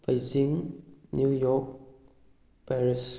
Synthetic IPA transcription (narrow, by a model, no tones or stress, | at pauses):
bajzĩŋnujɔk̚ | pɛɹis